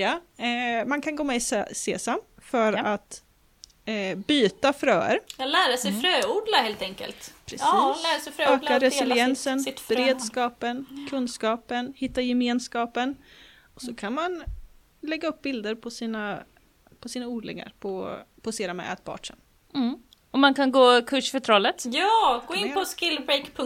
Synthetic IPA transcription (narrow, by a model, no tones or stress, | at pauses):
a | mankʰanɡoːmɛssḛːsamfœɾat̪ | byːt̪afɾœːə̰ɾlæːɾasɛjfɾøːuːɖlaheːlt̪ɛŋkə̰lt̪pʰɾɛslæɾasɛfɾøøːkaɾɛsɪljɛnsənbb̥ɛɾeːd̪skɑːpənkʰɵnskɑːpənhɪt̪ːajɛmeːnskɑːpən | ɔsɔkʰanman | lɛɡːaɵp̚ːbɪld̪əɾpʰɔsiːna | pʰɔsiːnauːɖ̪lɪ̰ɡa̰ɾpʰɔpʰɔsiːɾamɛ̰ʔɛ̰t̪̚bʰɑ̰ːʈʂə̰n̩ | ɔmankʰanɡoːkʰɵʂfœʈ̪ʰɾɔlːət̪jɑːɡoːɪnpʰɔskɪlbɾekpʰɵŋ